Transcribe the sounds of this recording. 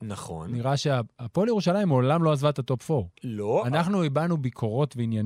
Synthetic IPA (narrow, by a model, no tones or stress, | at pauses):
naχo̰nniʁaʃeaapoljeʁuʃalaimolamlo̞azvat̪at̪o̞pfoloanaχnuibanubikʰo̞ʁo̞tveinjan